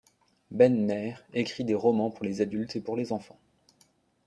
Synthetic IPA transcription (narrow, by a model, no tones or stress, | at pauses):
bɛnmɛʁekχid̪eʁɔmɑ̃puʁlezad̪ylt̪epuʁlezɑ̃fɑ̃